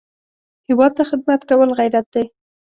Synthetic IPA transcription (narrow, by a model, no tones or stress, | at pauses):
hɪwɑd̪̚t̪axɪd̪̚mat̪kawəlɣajɾat̪̚d̪aj